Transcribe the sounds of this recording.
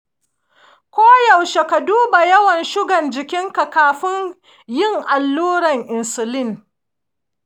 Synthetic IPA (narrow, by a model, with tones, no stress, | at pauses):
kʷoː˦ja˨wʃe˨ka˨duː˦ba˨jɐ˦wɐ˨nʃʊ˦ɡɐ˨nd͡ʒɪ˨kʲɪ˦ŋka˨kaː˨ɸɪ˦ɲ | jɪ˦˨ŋʔa˨lːuː˦ɾɐ˨ŋʔɪ˨nsʊ˨lɪ˦ŋ